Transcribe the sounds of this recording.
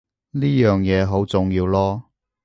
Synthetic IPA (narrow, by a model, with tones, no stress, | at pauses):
niː˥jœː˨ŋjɛː˨˧ɦo˨˥wt͡sʊ˨ŋjiː˧wlɔː˥